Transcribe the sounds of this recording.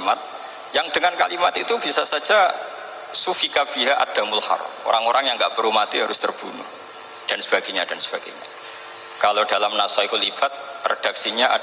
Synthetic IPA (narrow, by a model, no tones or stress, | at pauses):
mat̪̚ | jaŋdəŋanka̰limat̪it̪ub̥isasad͡ʒa | sufikab̥iɦaʔa̰d̪̥amʊlha̰rmo̰ɾaŋoɾaŋjaŋɡaʔbəɾumat̪iɦaɾʊst̪ərb̥unṵh | d̥ansəb̥aɡ̥aɲadansə̥b̥aɡ̥aɲa̰ | kalodalamnasaikʊlib̥at̪̚rḛd̥ak̚siɲaʔa̰